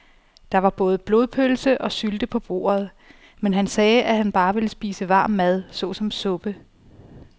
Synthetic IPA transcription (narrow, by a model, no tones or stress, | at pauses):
d̥ɑ̈ʋɑ̈b̥ɔ̽ːð̞̩ˠəb̥lo̝ːðˠpʰølsəʔɒ̽syld̥əpʰɒ̽b̥o̝̰ːɐð̞ˠ | menɦænsɛːʔæɦænb̥ɑ̈ːʋe̝ləsb̥ḭːsəʋɑ̈ːmːæð̞ˠsɔ̽sɒ̽msɔ̽b̥ə